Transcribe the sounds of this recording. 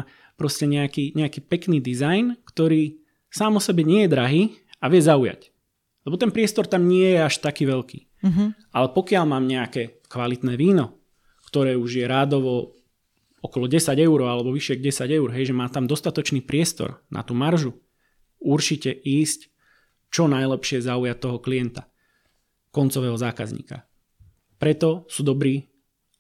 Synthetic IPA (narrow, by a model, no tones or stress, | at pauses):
pɾɔscɛɲɛakiːɲɛakiːpɛkniːd̪izajnkt̪ɔɾiː | saːmɔsɛbɛɲɪɛjɛd̪ɾaɦiːaʋɪɛzauja̰c | lɛbɔt̪ɛnpɾɪɛst̪ɔɾt̪amɲɪɛjɛaʃt̪akiːʋɛʎkḭː | ʔalɛpɔkɪalmaːmɲɛakɛː | kʋalit̪nɛːʋiːnɔ | kt̪ɔɾɛːuʒjɛɾaːd̪ɔʋɔ | ɔkɔlɔɟɛsaɟɛʊɾɔalɛbɔʋiʃɪɛɡɟɛsaɟɛʊuɾɦɛjʒɛmaːt̪amd̪ɔst̪at̪ɔt͡ʃniːpɾɪɛst̪ɔ̰ɾnʔa̰t̪uːmaɾʒu | uɾt͡ʃicɛʔiːsc | t͡ʃɔnajlɛpʃɪɛzaujat̪ːɔɦɔklijɛnt̪a | kɔnt͡sɔʋɛːɦɔzaːka̰zɲḭːka̰ | pɾɛt̪ɔsuːd̪ɔbɾiː